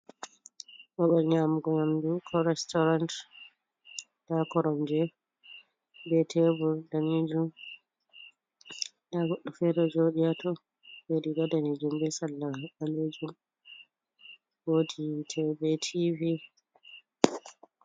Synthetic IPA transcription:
ɓɔɓalɲamɡɔɲamdukʰɔɾɛstɔɾant | d̥akɔɾɔmd͡ʒɛ | bɛtʰɛbuɾdanid͡ʒum | daɡɔɗːɔfɛɾɔd͡ʒoɗijatɔ | beɗidadanid͡ʒumbɛsalːaaɓaled͡ʒum | woditʰɛbɛtʰivi

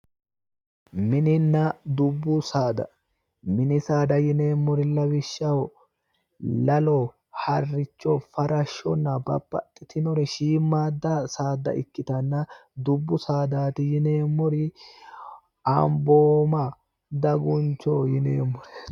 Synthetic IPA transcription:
mɪnɪnːɐd̪ʊbːʊsaːd̪ɐ̰ | mɪnɪsaːd̪ɐjɪne̞ːmːɔɾɪlɐwɪʃːɐwɔ | lɐlɔ | hɐrːɪt͡ʃːɔfɐɾɐʃːɔnːɐbɐ̰pʼːɐ̰t̪ʼːɪt̪ɪnɔɾɛʃiːmːaːd̪ːasaːd̪ɐ̰ʔɪkːɪt̪ɐnːɐd̪ʊbːʊsaːd̪aːt̪ɪjɪneːmːɔɾɪ | ɐmboːmɐ | d̪ɐɡʊnt͡ʃːoːjɪnḛːmːɔɾɛ̥

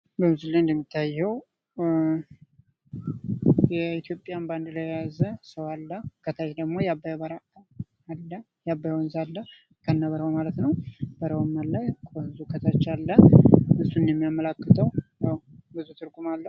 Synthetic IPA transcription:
bəmɨzulajnd̪əmːit̪ʰːajːɛw | jɛit̪jo̞pʼːjamband̪lajjazəsəwalːəkʰət̪ʰajd̪əɡmo̞jabːajabəɾa | alːə | jabːajwnzalːə | kʰənːaβəɾəhomalət̪nəwbəɾəwmːallajkʰʼonzukʰət̪ʰat͡ʃːalːəʔɨsːunjɛmːijamːəlakːɨt̪ʰʼəwjaw | bɨzut̪ʰɨɾɡumalːə

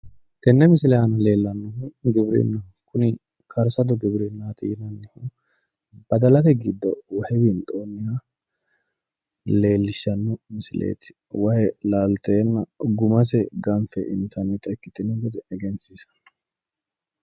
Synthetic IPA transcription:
t̪ɛnːɛmɪsɪlɛhɐnɐle̞ːlːɐnːɔhuɡɪbɾḭnːɐ | kʊnɪ | kʰɐɾsɐd̪ɔɡɪbɾɪnːat̪ɪɪnɐnːɪhu | b̥ɐd̪ɐlɐt̪ɛɡɪd̪ːɔwɐhɛbint̪ʼoːnːɪja | le̞ːlːɪʃːɐnːɔmɪsɪlʔḛːt̪ɪ̥ | wɐhɛlaːlt̪eːnːɐɡʊmɐs̬ɛɡɐnfɛʔɪ̰nt̪ʰɐnɪt̪ʼɐkːɪt̪ɪnɛɡɔd̪ɛɛɡɛnsisɐ̥

